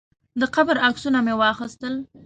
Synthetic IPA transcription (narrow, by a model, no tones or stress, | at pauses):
d̪əqabɾaksunamewɑxəst̪əl